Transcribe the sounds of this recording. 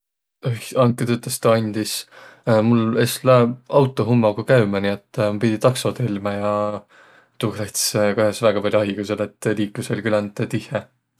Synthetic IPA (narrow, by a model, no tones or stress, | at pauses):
oçɑŋkːˑet̪yt̪ːˑest̪ɑɑnʲd̪ismuleslæɑwt̪ˑːoɦumːɑɡ̥ukæɥmɑniet̪ːmɑpid̪̥ʲit̪ɑksot̪elmɑjɑ | t̪uɡreht̪skohjɑsvæɡ̥ɑpɑlʲjuɑɦikuselet̪ːliːkluselʲkylænt̪ːet̪ihe